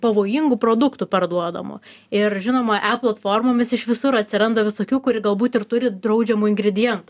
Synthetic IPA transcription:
pɐʋoːjiŋɡʊpɾoːd̪ʊkt̪uːpʲɛrd̪uɔd̪ɐ̰mʊ̰ | ɪrʒʲɪnoːmɐʔæplˠɐt̪foːrmoːmʲɪsɪʃʋʲɪsʊɾɐt̪ʲsʲɪɾɐnd̪ɐʋʲɪsoːkʲuːkʊɾʲɪɡɐlˠbuːt̪ɪrt̪ʊɾʲɪd̪ɾɐʊd͡ʒʲɛmʊɪŋɡɾʲɪd̪ʲɪjɛnt̪ʊ

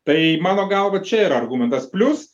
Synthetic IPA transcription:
t̪ɐɪmɑːnoːɡɐlˠʋɐt͡ʃʲɛiːɾɐɐrɡuːmʲɛnt̪ɐspʲlʲʊs

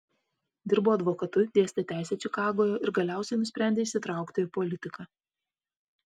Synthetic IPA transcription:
d̪ʲɪɾboːɐd̪ʋoːkɐt̪ʊd̪ʲeɛsʲt̪ʲɛt̪ʲæˑɪsʲɛt͡ʃʲɪkɑːɡoːjoːɪɾɡɐlʲæˑʊsʲɛɪnʊsʲpʲɾʲæˑnʲdʲeːɪʃʲsʲɪt̪ɾɑˑʊkt̪oɪpɔlʲɪt̪ʲɪkɑ

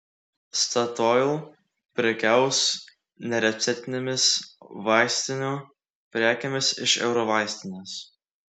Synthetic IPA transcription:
st̪ɐt̪ɔɪlˠ | pʲɾʲɛkʲæˑʊs | nʲɛɾʲɛt̪sʲɛt̪ʲɪnʲemʲɪsʋɑˑɪsʲt̪ʲɪnʲuː | pʲɾʲæːkʲemʲɪsɪʃɛ̰ʊɾɔʋɑˑɪsʲt̪ʲɪnʲeːs

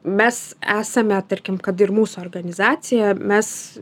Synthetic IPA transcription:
mʲɛsæːsɐmʲɛt̪ɐɾʲkʲɪmkɐt̪ɪrmuːsuɔːrɡɐnʲɪzɑːt̪sʲɪjɛmʲɛs

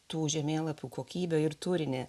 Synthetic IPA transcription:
t̪uːʒʲɛmʲeːlˠɐpʲuːkʰoːkʲiːbʲoːɪɾt̪ʊɾʲɪnʲeː

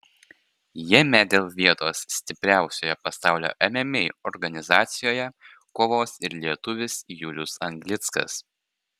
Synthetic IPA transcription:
jimʲæd̪ʲeːlˠʋʲiɛt̪oːsːʲt̪ʲɪpʲɾʲæˑʊsʲoːjɛpɐsɑˑʊlʲo̰ːʔɛmʲɛmʲeːɔɾɡɐnʲɪzɑːt̪sʲɪjoːjɛ | koːʋoːsɪɾlʲiɛt̪ʊʋʲɪsjʊlʲʊsɐŋɡlʲɪt̪skɐ̰s

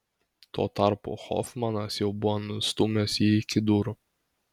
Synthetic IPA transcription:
t̪uɔt̪ɑɾpʊ̰xɔ̰fmɐnɐsjɛʊbʊʋɔnʊst̪umʲosiɪkʲɪd̪uːɾʊ

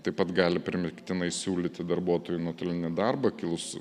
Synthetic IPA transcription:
t̪ɐɪpɐt̪ɡɑːlʲɪpʲɾʲɪmʲɪkt̪ʲɪnɐɪsʲuːlʲit̪ʲɪd̪ɐɾbuɔt̪oːjunoɔt̪oːlʲɪnʲɪd̪ɐrbɐkʲɪlˠʊs

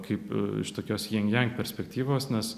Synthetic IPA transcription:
kʰɐɪpɪ̰ʃt̪oːkʲoːsjɛŋʲɡjʲɛŋʲkʲpʲɛɾʲsʲpʲɛk̚t̪ʲiːʋoːsnʲɛs

